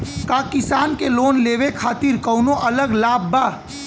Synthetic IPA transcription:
kaːkɪsaːnkeloːnleːʋekʰaːt̪ɪɾkɔʊnõʔɐləɡlaːbbaː

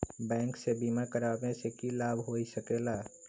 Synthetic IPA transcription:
bɛ̃ːŋksebimaɾkəɾamẽsekilaːbʱɦoisəkela

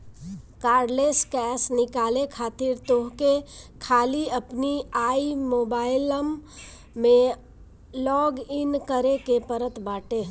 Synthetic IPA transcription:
kaːɾɖleːskɛːsnɪkaːlekʰaːt̪ɪɾt̪oɦkekʰaːliəpniaːimoːbaːɪləmː | ẽ | lɔːɡɪnkəɾekepəɾət̪baːʈe

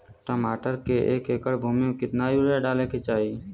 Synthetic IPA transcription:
ʈəmaːʈəɾkeʔeːkeːkəɽbʱuːmijekɪt̪najuɾɛɖaːleket͡ʃaːi

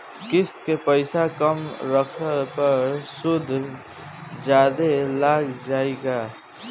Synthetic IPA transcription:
kɪst̪kepəɪsakəmɾəkʰəpəɾsʊd̪ʱː | d͡ʒaːd̪elaːɡd͡ʒaːeɡaː

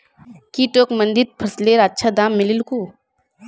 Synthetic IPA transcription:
kiʈoːkmə̃nd̪iɾ̚pʰəsleːɾɐtːʃʰad̪aːmːɪlilku

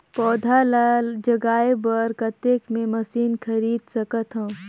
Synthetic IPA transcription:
pɔːd̪ʱalad͡ʒəɡaːebəɾkɐt̪eːkmẽmɐsiːnkʰɐɾiːd̪sɐkət̪ɦɛ̃ː

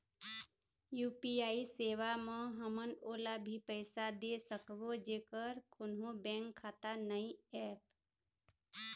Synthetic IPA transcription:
juːpiaːiseːʋamə̃ɦəmənoːlabʱipəɪsad̪esəkbod͡ʒeːkəɾkʰʊnɦõbɛ̃ːŋkʰːaːt̪anəiɛːp

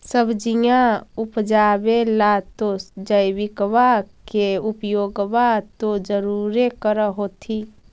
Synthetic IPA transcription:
səbd͡ʒijãupd͡ʒabelat̪osd͡ʒəjbikʋakeupjoɡbat̪od͡ʒəɾuɾekəɾəɦot̪ʰi

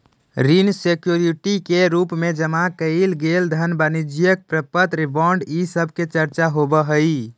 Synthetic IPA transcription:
ɾinsekjuɾiʈikeɾupmed͡ʒəmakəjlɡeld̪ʱənbanid͡ʒijək̚pɾəpət̪ɾibɔɳɖisəbʱket͡ʃəɾt͡ʃaɦobəɦəj

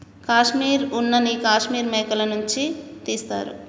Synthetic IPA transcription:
kaʃmiɾunːɐnikaːʃmiɾmekɐlɐnunt͡ʃʰit̪est̪a̰ɾṵ

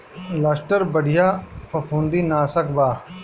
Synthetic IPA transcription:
lasʈəɾbɐɽijapʰɐpʰũːnd̪inaːsɐkbaː

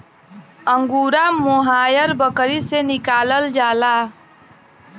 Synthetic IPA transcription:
əŋɡuːɾamoɦaːjəɾbəkɾisenɪkaːləld͡ʒaːlaː

